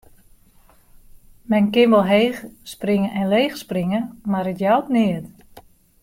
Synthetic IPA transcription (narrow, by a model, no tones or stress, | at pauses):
mɛnkɪnʋɔlˠɦeːxspriŋəʔɛnleːxspriŋəmarətjawtnɪət